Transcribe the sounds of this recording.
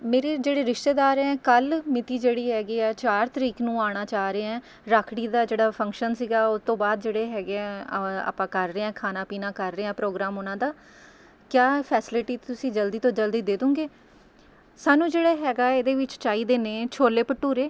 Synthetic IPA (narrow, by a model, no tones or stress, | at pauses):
meːɾeːd͡ʒeːɽeːɾɪʃʈ̪eːd̪aːɾɛ̃ːkəlmɪt̪iːd͡ʒeːɽiːɦɛːɡiːɛːt͡ʃaːɾt̪əɾiːknũːaːɽ̃aːt͡ʃaːɾeːɛ̃ː | ɾaːkʰɽiːd̪aːd͡ʒeːɽaːpʰə̃ŋkʃənsiːɡaːʊst̪õːbaːd̪d͡ʒeːɽeːɦɛːɡeːɛːa̰ːpãːkəɾːeːɛ̃ːkʰaːnãːpiːnaːkəɾːeːɛ̃ːpɾoːɡɾaːmʊnãːd̪aː | kjaːpʰɛːsɪlɪʈiːt̪ʊsĩːd͡ʒəld̪iːt̪õːd͡ʒəld̪iːd̪eːd̪ũːɡeː | saːnũːd͡ʒeːɽaːɦɛːɡaːeːd̪eːʋɪt͡ʃt͡ʃaːiːd̪eːneːt͡ʃʰoːlːeːpəʈːuːɾeː